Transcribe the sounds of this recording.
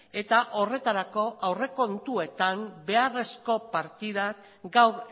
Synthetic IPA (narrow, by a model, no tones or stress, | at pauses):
e̞t̪aʔo̞re̞t̪aɾako̞ʔawre̞ko̞nt̪ue̞t̪ambe̞are̞sko̞paɾt̪iðak | ɡaw